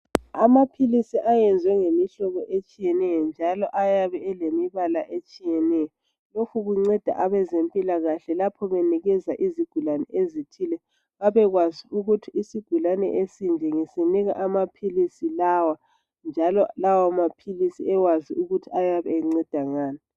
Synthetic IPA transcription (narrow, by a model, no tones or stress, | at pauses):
amapʰilisiʔajɛnd͡zʱwɛŋemiɬɔɣɔʔet͡ʃʼijɛnɛjɔnd͡ʒʱalɔʔajaβɛɛlemiβalaʔet͡ʃʼijɛnɛjɔ | lokʰuɣuŋ͡ǀɛd̥ʱa̰ʔaβɛzempʼilaɣaɬɛlapʰɔβeniɣɛzaʔiziɡ̥ʱulanɛʔezitʰilɛ | βaβɛɣwaziuɣutʰiisiɡ̥ʱulanɛ̰ʔesind͡ʒʱɛŋeseniɣa̰ʔamapʰilisilawa | nd͡ʒʱalɔlawamapʰilisiɛwaziuɣutʰiajaβɛeŋ͡ǀɛd̥ʱaŋaːni